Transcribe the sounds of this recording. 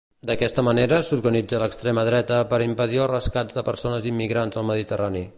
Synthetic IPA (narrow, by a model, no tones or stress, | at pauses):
d̪əkɛst̪əməneɾəsuɾɣənid͡zələkst̪ɾeməðɾɛt̪əpəɾimpəðiəlˠrəskazðəpəɾsonəzimːiɣɾanzəlˠməðit̪ərani